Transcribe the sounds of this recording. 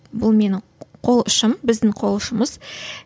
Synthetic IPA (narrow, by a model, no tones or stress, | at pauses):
bʊlˠme̞n | qʰo̞lˠʊʃəmbɪzd̪ɪŋɴqʰo̞lˠəʃəməz̥